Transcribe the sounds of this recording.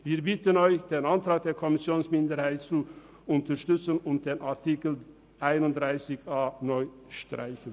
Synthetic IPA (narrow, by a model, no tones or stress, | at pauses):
viːɐbɪtənɔʏçd̥eːnantʁ̥aːk̚d̥eːɐkʰɔmɪsjoːnsmɪndəɾhaɪtt͡su | ʔʊntəʃtʏt͡sənʊnt̚d̥eːnʔaɐtʰikl̩ | ʔaɪnʊnt̚d̥ʁaɪsɪçaːnɔʏ | ʃtʁa̰ɪçən